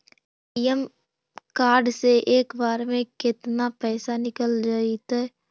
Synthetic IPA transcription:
ijəm | kaːɾɖseʔeːkbaːɾmẽkɪt̪napɛːsanɪkəld͡ʒaːit̪ɛ

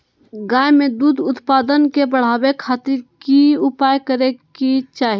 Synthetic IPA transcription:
ɡãjmed̪ud̪ʊt̪pad̪ənkebəɽ̤abekʰat̪iɾkiupajkəɾekit͡ʃaːɦi

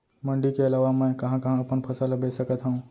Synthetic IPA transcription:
məɳɖikeɐlaʋamə̃kɐɦãkɐ̃ɦãpəɳpʰɐsaləbʱesəkət̪ɦə̃ũ

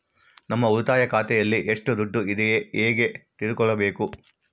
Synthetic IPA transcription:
nɐmːɐud̪aːjɐkaːt̪ɛjɐlːiʔeʂʈud̪uɖːuid̪ɛjeeːɡe̞t̪iɾukɔɭɐbe̞ːku

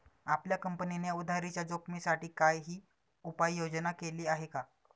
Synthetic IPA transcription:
apljakəmpəninejud̪ʱaɾit͡ɕjad͡zokmisaʈiːkajɦiː | upajːod͡znakeliːaɦeka

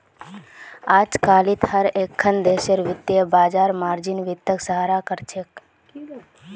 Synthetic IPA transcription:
aːd͡ʒkaːlit̪həɾeːkʰːənd̪eːʃəɾʋɪt̪jebaːd͡ʒaːɾmaːɾd͡ʒɪnʋɪt̪ːəksəɦaːɾakəɾt͡ʃʰek

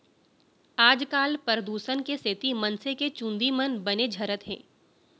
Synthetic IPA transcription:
aːd͡ʒkaːlpəɾəd̪uːsənkeseːt̪imɐnseket͡ʃʊ̃nd̪imənbɐned͡ʒʱɐɾət̪ɦɛ̰̃ː

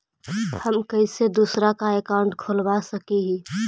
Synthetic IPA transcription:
həmkəɪsed̪uːsɾakaeːkaʊɳʈkʰoːlbasəkiɦĩ

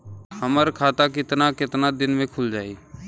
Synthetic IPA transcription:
həməɾkʰaːt̪ak̬ɪt̪nakɪt̪nad̪ɪnmẽkʰʊld͡ʒaːeː

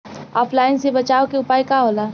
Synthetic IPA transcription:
ɔːpʰlaːɪnsebɐt͡ʃaːokeʊpaːikaɦoːlaː

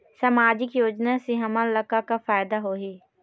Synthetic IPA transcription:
səmaːd͡ʒɪkjoːd͡ʒnasiɦəmaləkakafaːjd̪aɦoːɦiː

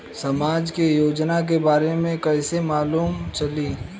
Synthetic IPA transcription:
sɐmaːd͡ʒkejoːd͡ʒnak̬ebaːɾemẽkɛːsemaːluːmt͡ʃɐli

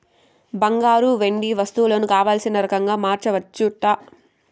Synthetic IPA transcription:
bɐŋɡaːɾuʋe̞ɳɖiʋɐst̪uloːnukaːʋaːlsinɐɾɐkɐŋɡaːmaːɾt͡ʃɐʋɐt͡ʃːuʈɐ

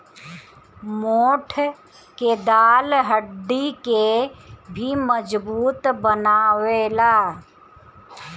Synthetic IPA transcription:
moːʈʰ | ked̪aːlɦəɖːikebʱiməd͡ʒbuːt̪bənaːweːlaː

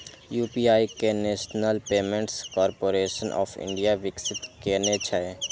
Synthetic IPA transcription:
juːpiaːikeneːʃnəlpeːmẽɳʈskɔːɾpoːɾeːʃənʔɔ̰ːfʰɪ̰̃ɳɖijaʋɪksɪt̪keːnet͡ʃʰae

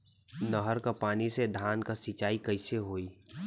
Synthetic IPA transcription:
nəɦəɾkapaːnised̪ʱaːnkasɪt͡ʃaːikɐɪseɦoːiː

